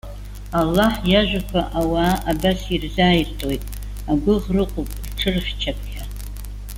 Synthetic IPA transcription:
alːaħjaʒʷᶣakʷʰaʔawaːabasirzaːjirtʼojtʼ | aɡʷʊʁrɨqʼopʼrʈ͡ʂʰɨrχʲt͡ʃʰapʰʼχʲa

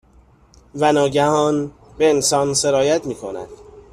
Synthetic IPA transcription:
vænɒːɟæhɒːn | be̞ensɒːnse̞ɾɒːjæt̪ʰmiːkʰonæ̰d̪̥

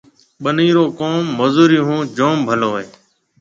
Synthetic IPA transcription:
ɓəniːɾoːkoːmːozuːɾiːɦũːd͡ʒoːmbʱəloːɦeː

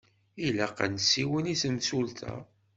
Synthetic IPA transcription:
ilæqːæ̰nsiwənisəmsult̪ʰæ̰

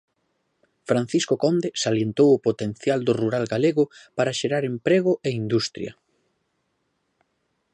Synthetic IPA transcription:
fɾan̟θiskokɔnd̪esaljent̪owʊpot̪en̟θjald̪ʊruɾalɡaleɣʊpaɾɐʃeɾaɾempɾeɣ̞ʊʔeind̪ust̪ɾjɐ̰

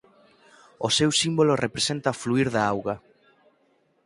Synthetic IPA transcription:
osewsimbolorepɾesent̪ɐfluiɾðaawɣɐ

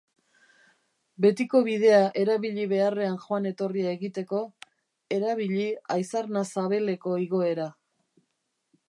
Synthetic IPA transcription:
be̞t̪iko̞βið̞e̞aʔe̞ɾaβiʎiβe̞are̞anʝoane̞t̪o̞riae̞ɣit̪e̞ko̞ | e̞ɾaβ̞iʎiajsaɾnasaβe̞le̞ko̞iɣo̞e̞ɾa

